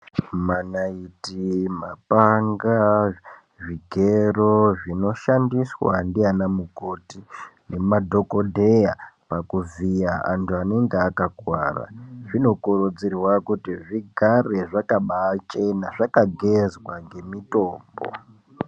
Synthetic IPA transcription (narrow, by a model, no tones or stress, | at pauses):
manaitimapaŋɡa | ʐiɡʱeroʐino̞ʃandiswa̰ndianamuko̞tine̞madʱo̞ko̞dʱejapakuvijaʔa̰ntuane̞ŋɡeakaɡwa̰ːra̰ʐino̞kuɾud͡zirwakutiʐiɡʱare̞ʐakaɓat͡ʃe̞naʐakaɡʱezwaŋɡe̞mito̞ːmbo̰